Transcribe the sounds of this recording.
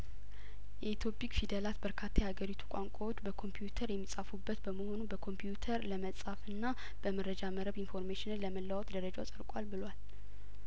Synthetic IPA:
jɛit̪ʰo̞pʰikfid̪əlat̪bəɾkʰat̪ʰːajɛhaɡəɾit̪ʰu̥kʷʼaŋkʷʼawot͡ʃːbəkʰo̞mpʰijut̪ʰəɾjɛmːisʼafubːət̪bəməho̞nubəkʰo̞mpʰjut̪ʰəɾləməsʼafɨnːa | b̥əməɾəd͡ʒaməɾəβinfo̞ɾmeʃɪnɨnləməlːawɔt̪d̪əɾəd͡ʒawsʼəɾkʼalbɨlwal

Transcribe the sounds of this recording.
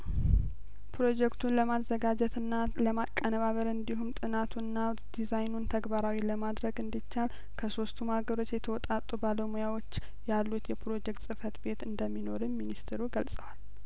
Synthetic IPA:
pɾo̞d͡ʒɛkt̪ʰunləmazːəɡad͡ʒɛt̪ɨnːaləmakʼːənəβaβəɾɨnd̪iɦumt̪ʼɨnat̪ʰunːaw̪ | d̪̥izajnunt̪ʰəɡbaɾawiləmad̪ɾəɡɨnd̪it͡ʃːal | kʰəso̞st̪ʰumaɡəɾo̞t͡ʃːjɛt̪ʰəwɔt̪ʼat̪ʼːubaləmujawo̞t͡ʃː | jalːut̪jɛpɾo̞d͡ʒɛk̚t̪sʼɨfət̪be̞t̪ɨnd̪əmːino̞ɾɨminist̪ʰɾuɡəlsʼəwal

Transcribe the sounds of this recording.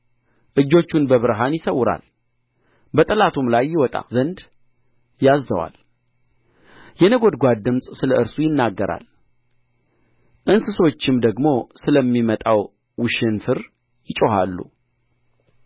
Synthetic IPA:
ʔɨd͡ʒːo̞t͡ʃːunbəβɨɾɦanjɪsəwːʊɾa̰l | bət̪ʼɨlat̪ʰumlajːɪwɔt̪ʼa̰zənd̪ | jazːəwa̰l | jɛnəɡo̞d̪ɡʷad̪ːɨmsʼsɨləɨɾsujɪnːaɡːəɾʔa̰l | ʔɨnsɨswot͡ʃːɪmd̪əɡmo̞sɨləmːimət̪ʼaw | wɨʃɪnfɨɾ | jɪt͡ʃʼoɦa̰lːṵ

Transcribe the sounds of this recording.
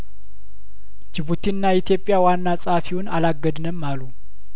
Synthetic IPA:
d͡ʒɪβut̪ʰinːait̪ʰjo̞pʼːɪjawanːasʼafiwʊnalaɡːəd̪nəmːalu

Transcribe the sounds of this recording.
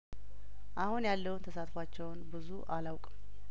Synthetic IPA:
ʔahunjalːəwunt̪ʰəsat̪fat͡ʃːɛwnbɨzṵʔalawkʼ

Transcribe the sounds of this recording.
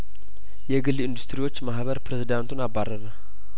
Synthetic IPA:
jɛɡɨlːɨnd̪ust̪ʰɨɾiwot͡ʃːmahβəɾpɾezid̪ant̪ʰunabːarːəɾə

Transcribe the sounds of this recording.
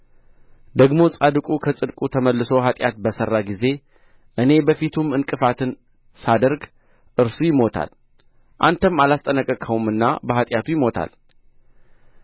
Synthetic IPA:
d̪əɡmo̞t͡sʼad̪ɨkʼukʰəsʼɨd̪kʼut̪ʰəməlːɨso̞ɦat̪ʼja̰t̪̚bəsərːaɡize̞ | ʔɨne̞bəfit̪ʰumɨnkʼɨfat̪ʰɨn | sad̪əɾɡ | ʔɨɾsujɪmo̞t̪ʰa̰l | ʔant̪ʰəmːalast̪ʼənəkʼːəkʼʰəwumɨnːa̰bəɦat̪ʼjat̪ʰujɪmo̞t̪ʰa̰l

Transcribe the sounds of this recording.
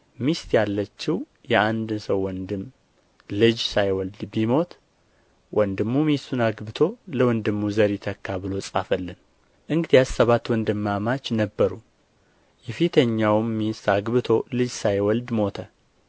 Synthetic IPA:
mist̪jalːət͡ʃːɪw | jɛand̪səwːɔnd̪ɨm | lɨd͡ʒsajwɔld̪bimo̞t̪ | wɔnd̪ɨmːumisunaɡbɨt̪ʰo̞ləwɔnd̪ɨmːuzəɾit̪ʰəkːaβɨlo̞sʼafəlːɨn | ʔɨŋɡɨd̪iassəβat̪wɔnd̪ɨmːamat͡ʃːnəbːəɾu | jɛfit̪ʰəɲːawmːist̪aɡβɨt̪ʰo̞lɨd͡ʒsajwɔld̪mo̞t̪ʰə

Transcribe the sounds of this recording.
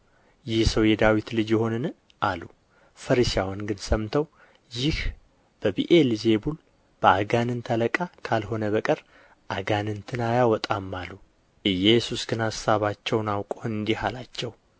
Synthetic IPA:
jɪhsəwjɛd̪awit̪lɨd͡ʒjɛho̞nɨn | ʔalu | fəɾɨʃawanɡɨnsəmt̪ʰəw | jɪh | b̥əbiʔelze̞bul | b̥əaɡanɨnt̪ʰələkʼakʰalho̞nəβəkʼəɾ | ʔaɡanɨnt̪ʰɨnajawɔt̪ʼamːalːu | ʔɨjɛsusɡɨnhasːaβat͡ʃːɛwnawkʼonɨnd̪ihalat͡ʃːɛw

